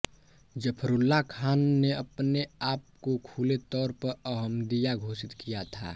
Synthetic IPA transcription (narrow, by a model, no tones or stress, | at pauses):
d͡ʒəpʰɾʊlːakʰaːnːeɐpneaːp̚kokʰuːlet̪ɔːɾpəɾɐɦəmd̪ijaɡʱoːsɪt̪kijat̪ʰa̰ː